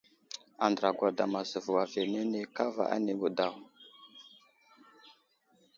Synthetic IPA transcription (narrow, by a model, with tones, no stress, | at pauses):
a˨ndɾa˨ɡʷa˨da˨ma˨zə˨vu˨wa˨ve˨ne˦ne˦ka˦va̰˨ʔa̰˦ne˦ɡu˨da˨w